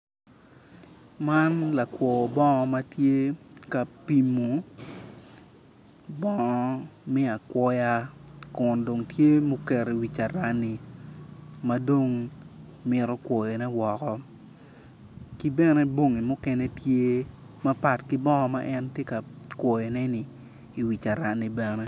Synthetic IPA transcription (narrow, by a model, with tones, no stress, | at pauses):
ma˦nla˨kwɔ˨bɔ˦ŋɔ˦ma˦tje˦ka˨pi˨mu˨ | bɔ˦ŋɔ˦mi˦a˨kwɔ˦ja˦kʊ˨ndo˨ŋtje˦mo˦kɛ˨ɾe˨wi˨t͡ʃa˨ɾa˦ni˨ | ma˦do˦ŋ | mɪ˦ɾɔ˦kwɔ˨je˨nɛ˦wɔ˨kɔ˦ | ki˦bɛ˦nɛ˦bo˦ŋi˨mʊ˦kɛ˦ne˦tje˦ | ma˦pa˨tki˦bɔ˦ŋɔ˦ma˦ʔɛ˦ntje˦ka˨kwɔ˨je˨nɛ˦ni˨ | i˨wi˨t͡ʃa˨ɾa˨ni˨bɛ˨nɛ˦